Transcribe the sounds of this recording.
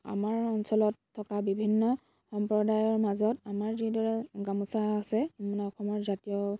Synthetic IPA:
a̰maɹɔnsɔlɔtʰːɔkabibʱinːɔ | xɔmpɹɔdajɔɹmazɔtamaɹzidɔɹɛɡamusaːsɛmanɛɔxɔmɔɹzatijɔ

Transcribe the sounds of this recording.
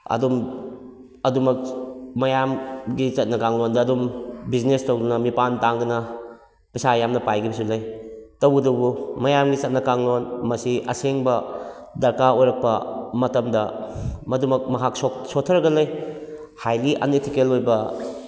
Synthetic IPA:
ɐ̰dum | ɐdumɐk̚mɐjamɡit͡ʃɐt̚nɐkaŋlondɐːdumbiznestɐwdɐnɐmipantaŋɡɐnɐ | pɐsajamnɐpajɡibɐsulɐjtɐwɡɐdɐbumɐjamɡit͡ʃɐt̚nɐkaŋlonmɐsiɐ̰seŋbɐdɐɾkaojɾɐk̚pɐmɐtɐmdɐmɐdumɐk̚mɐɦaksosotʰːɐɾɐɡɐlɐj | hajliʔa̰netʰikelojbɐ

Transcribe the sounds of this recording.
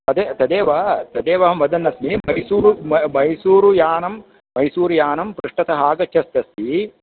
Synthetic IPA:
ɐd̪eːt̪ɐd̪eːʋɐɦɐt̪ɐd̪eːʋɐɦɐmʋɐd̪ɐnːɐsmimɐjsuːɾumɐjsuːɾujaːnɐmː | ɐjsuːɾujaːnɐmpɾuʂʈɐt̪ɐɦaːɡɐt͡ʃʃɐst̪ɐst̪i

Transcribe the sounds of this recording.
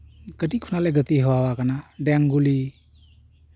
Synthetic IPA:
kədikʰːunalɛɡət̪iɦəwawakanadɛaŋɡuli

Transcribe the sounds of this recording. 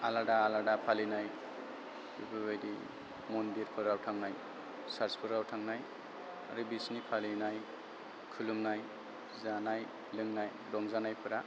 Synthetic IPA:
aladaːladapʰalinaj | bḭbʰɯbajdḭ | mɔndiɾpʰɯɾawtʰaŋnaj | saɾspʰɯɾawtʰaŋnaj | a̰ɾɯbisnipʰalinaj | kʰɯluŋnaj | zanaj | lɯŋnaj | dɔŋzanajpʰɯɾa

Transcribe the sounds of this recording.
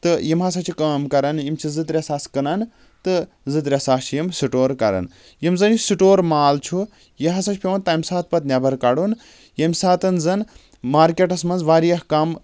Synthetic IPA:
t̪ɨjimɦɐs̬ɐt͡ʃʰikɐːmkɐɾɐnimt͡ʃʰizɨt̪ɾʲesaːskɨnɐn | t̪ɨ | zɨt̪ɾʲesaːʃjimsiʈoːɾkɐɾɐ̰n | jimzɨnjusiʈoːɾmaːlt͡ʃʰu | jiɦɐsɐt͡ʃʰpʲeʋɐnt̪ɐːmʲsaːt̪̚pɐt̪nʲɐbɐɾkɐɽun | jɐmʲsaːt̪ɐnzɐn | maːɾkʲeʈɐsmɐnzʋaːɾijɐhkɐm

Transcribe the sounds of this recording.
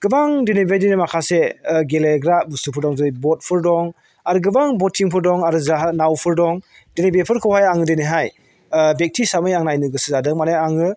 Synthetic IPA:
ɡ̥ɯbaŋdenebedinemakʰaseɡeleɡɾabusupʰɯɾdɔŋzɯjbɔt̚pʰɯɾdɔŋ | aɾɯɡɯbaŋbɔtʰiŋpʰɯɾdɔŋaɾɯzaɦanawpʰɯɾdɔŋ | denebepʰɯɾkʰɯwhajaŋɯdeniɦaj | bek̚tʰisamɯjaŋnajnɯɡɯsɯzadɯŋmaneaŋɯ

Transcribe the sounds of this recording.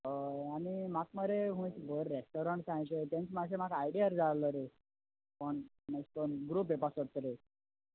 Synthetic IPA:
ɦəanimakməɾeɦũsbʱəɾːesʈoɾəɳʈsãj̃t͡ɕet̪ẽnt͡smaɡsemakajɽiəɾd͡zaɭləɾe | pəɳ | məskəɳɡɾuːp̬ːepasəɽ̚t̪əɾe

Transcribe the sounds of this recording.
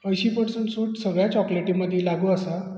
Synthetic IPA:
əjɕiːpəɾsəɳʈsuːʈsəɡɭjat͡ɕɔkleʈĩməd̪ʱːjelaɡuəsa

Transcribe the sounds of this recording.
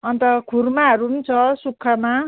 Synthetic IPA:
ʌnt̪ʌkʰurmaʌɾunt͡sʰʌsukʰːʌma

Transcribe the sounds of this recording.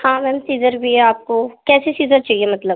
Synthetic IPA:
hãːmɛːmsiːzəɾbʱiɛaːp̚kokɛːsesiːzəɾt͡ʃaːiemɐt̪ləb

